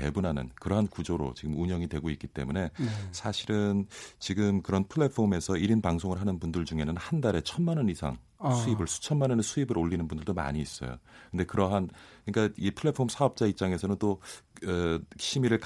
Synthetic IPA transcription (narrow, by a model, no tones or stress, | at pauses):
e̞̰bunɦanɯ̰nkɯɾʌɦankud͡ʑoɾo̰t͡ɕiɡɯmuɲʌŋidwe̞ɡoik͈it͈e̞̰mune̞sʰaɕʰiɾɯnt͡ɕiɡɯmkɯɾʌnpʰɯɭːe̞pʰome̞sʰʌiɾinpaŋsʰoŋɯɭɦanɯnpundɯɭd͡ʑuŋe̞nɯnhandaɾe̞t͡ɕʰʌnmanʌnisʰa̰ŋ | sʰuibɯɭsʰu̥t͡ɕʰʌnmanʌnesʰuibɯɾoɭːinɯnbundɯɭdoma̰ɲiːs͈ʌ̰jo̰kɯnde̞kɯɾʌɦankɯɲik͈aipʰɯɭːe̞pʰomsʰaʌp̚t͡ɕ͈aip̚t͡ɕ͈aŋe̞sʰʌnɯnt͈o | ɕʰimiɾɯɭk